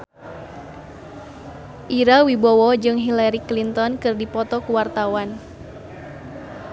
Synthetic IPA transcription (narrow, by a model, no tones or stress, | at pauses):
ʔiɾawibɔwɔd͡ʒɨŋɦilaɾiklint̪ɔnkɨrdipɔt̪ɔkuwart̪awan